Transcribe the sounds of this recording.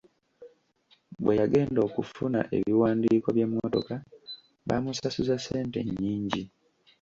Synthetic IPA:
bwe̞jaɡe̞ːndo̞ːkufuna̰ʔe̞̰βiwaːndiːko̞βjemːoto̞ka | βa̰musasuzase̞ːnte̞̰ɲːiːɲɟi

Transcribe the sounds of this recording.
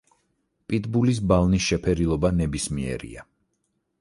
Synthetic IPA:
pʼit̪bulis̬balˠnisʃɛpʰɛɾilˠɔbanɛbismiɛ̰ɾḭa

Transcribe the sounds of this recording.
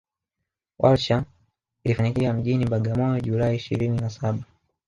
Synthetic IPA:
wʔalʃa | ilifaɲikiam̩ʄinimbaɡamɔjɔʄulaiiʃḭɾininasaɓa

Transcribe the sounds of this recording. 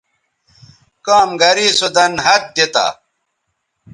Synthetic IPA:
kaːmɡɐɾiːsud̪ɐnɦɐt̪̚d̪et̪a̰

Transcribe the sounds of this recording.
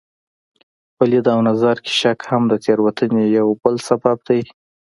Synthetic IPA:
palid̪awnazaɾke̥ʃakhamd̪ət̪eɾwat̪ənejawbəlsabab̚d̪aj

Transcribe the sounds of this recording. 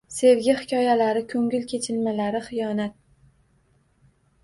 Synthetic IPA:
se̞vɡʲɪhɪ̥kʲʰɒjalaɾɪkʲʰɵŋʲɪlkʲʰe̞t͡ʃʰɪlmalaɾɪχɨjɒnat̪̚

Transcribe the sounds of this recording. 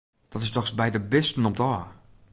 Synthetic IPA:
d̥ɔtɪstɔxsbɛjdəbɪstən̩ɔmtɔː

